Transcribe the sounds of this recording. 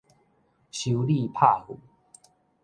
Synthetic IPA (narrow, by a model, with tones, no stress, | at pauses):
ɕu˨˦li˥˧pʰa˥˧hu˨˩˦